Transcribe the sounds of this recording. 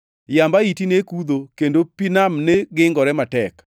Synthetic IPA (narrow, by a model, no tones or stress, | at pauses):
jambaitinekud̪okendopinamneɡɪŋɡɔɾɛmatɛk